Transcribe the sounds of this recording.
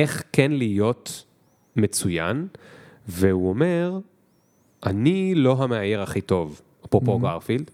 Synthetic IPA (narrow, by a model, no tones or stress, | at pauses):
ʔe̞χkenlijo̞t | met͡suja̰n | vehuome̞ʁ | ʔanilo̞ɦameajeʁaχito̞v | apopoɡaʁfild̥